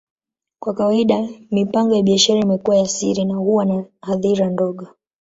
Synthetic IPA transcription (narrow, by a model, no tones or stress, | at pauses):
kwakawaiɗamipaŋɡɔjaɓiaʃaɾaimɛkuwajasiɾinahuwanahaðiɾandɔɠɔ